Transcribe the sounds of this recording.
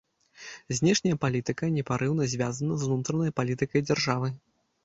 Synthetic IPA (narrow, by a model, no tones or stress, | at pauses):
zʲnʲɛʂnʲɐjɐpalʲit̪ɨkɐnʲɛpaɾʔɨwnɐzʲvʲazɐnɐznut̪ɾɐnɐjpalʲit̪ɨkɐjd͡zʲarʐavɨ